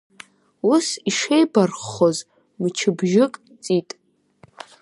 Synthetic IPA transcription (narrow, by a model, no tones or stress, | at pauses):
usiʂejbarχːoz | mt͡ʃʰɨbʒɪkʼ | t͡sʼitʼ